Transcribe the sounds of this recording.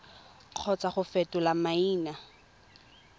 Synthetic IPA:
q͡χʰɔt͡saχʊfɛtʊlamaiːna

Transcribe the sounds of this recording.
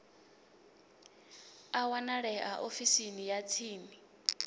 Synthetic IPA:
awanaɺɛʔaʔofisinijat͡sʰiːni

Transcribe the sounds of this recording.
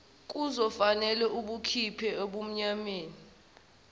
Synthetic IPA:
k̬ʼuzɔfanɛlɛʔuɓukʰipʰɛoɓum̩ɲameːni

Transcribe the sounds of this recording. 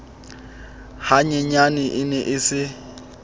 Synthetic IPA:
haɲɛɲanɪʔɪnɛʔɪsɪ

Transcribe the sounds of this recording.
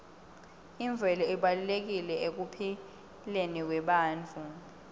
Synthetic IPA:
iɱvʱɛlɔiɓalulek̬ilɛek̬upʰi | lenik̬wɛɓaːnt͡fʰu

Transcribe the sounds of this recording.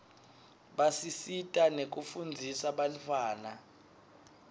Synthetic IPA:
ɓasisitʼanek̬ʼufund͡zʱisaɓalifaːna

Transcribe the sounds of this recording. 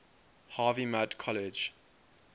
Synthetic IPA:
haːvimadkʰɔlɪd͡ʒ

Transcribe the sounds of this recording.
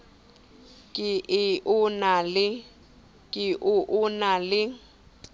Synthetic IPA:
kʼɪʔɪʔʊnalɪ | kʼɪʔʊʔʊnalɪ

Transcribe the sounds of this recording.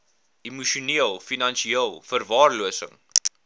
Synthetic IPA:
imuʃuniəlˠfinɐnʃiiəlˠfərvɑːrluəsə̰ŋ

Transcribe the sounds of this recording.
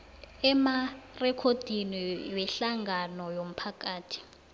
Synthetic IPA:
ɛmarɛkʰod̥ʱiniwɛɬaŋɡanɔjom̩pʰakʼaːtʰi̥

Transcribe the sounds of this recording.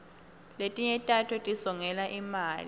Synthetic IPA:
letʼiɲɛtʼatʰɔtʼisɔŋɛlaʔimaːlḭ

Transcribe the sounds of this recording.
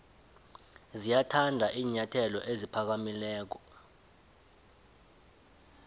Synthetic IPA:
zijatʰandʱaʔiːɲatʰɛlɔ̰ʔezipʰak̬amilɛːk̬ɔ

